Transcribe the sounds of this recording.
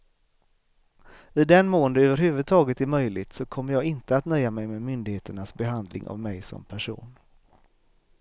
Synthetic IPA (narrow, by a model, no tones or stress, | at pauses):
ɪd̪ɛnmoːənd̪əøːvəɾɦʉ̟ːvɵd̪̚t̪ʰɑːɡət̪ɛɾmœjlɪt̪sɔkʰɔmːəɾjɑːɡɪnt̪əat̪nœjːamɛjmemʏnd̪ɪɡheːt̪əɳasbɛɦand̪lɪ̰ŋʔa̰vmɛjsɔ̰mpʰæʂṵːn